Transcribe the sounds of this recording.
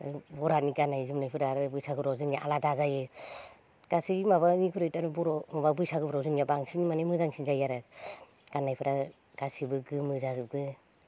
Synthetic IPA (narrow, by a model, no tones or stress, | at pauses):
bɔɾaniɡanajzumnajpʰɯɾaɾɯbujsaɡɯbɾɔzɯnjaʔaladazajɯ | ɡ̥asiimaβanikʰuɾɯjtaɾbɔɾɔmababujsaɡɯbɾɔzɯnjabaŋsinimanamɯzaŋsinzajaɾɯ | ɡ̥anːajpʰɯɾa | ɡ̥asibɯɡɯmɯzazuɡɯ